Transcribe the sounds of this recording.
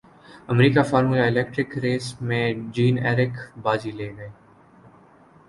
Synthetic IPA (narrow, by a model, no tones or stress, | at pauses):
əmɾiːkaːfaːɾmuːjaːɪlɛːkʈɾɪkɾeːsmẽːd͡ʒiːnɛːɾɪkbaːd͡ʒiːleːɡəeː